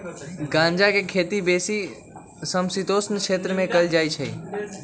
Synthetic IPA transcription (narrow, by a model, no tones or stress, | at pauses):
ɡãnd͡ʒakekʰeːt̪ibesi | səmsit̪osnəkʃeːt̪ɾəmẽkəld͡ʒaːit͡ʃʰəḭ